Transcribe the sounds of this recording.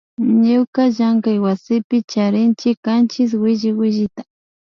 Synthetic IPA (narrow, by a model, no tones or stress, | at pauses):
ɲʊkaʒaŋkajwasɪpɪt͡ʃaɾɪnt͡ʃɪkant͡ʃɪs̬wɪʒɪwɪʒɪt̪ḁ